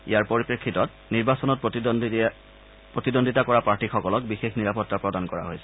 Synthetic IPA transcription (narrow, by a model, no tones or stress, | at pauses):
ḭjaɹpoɹipɹekʰːitɔt̚ | niɹbasɔnɔt̚pt | pɹotidondʱitakɔɹapaɹtixɔkɔlɔk̚bixexniɹapɔtːapɹɔdankɔɹa̰ɦojsɛ̥